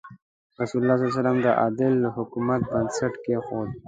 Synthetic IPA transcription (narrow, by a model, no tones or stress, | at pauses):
ɾasulʊlːɑːs̬alɑs̬alamd̪əʔɑ̰d̪ɪlːəhʊkumat̪̚bənsaʈkexod̪̚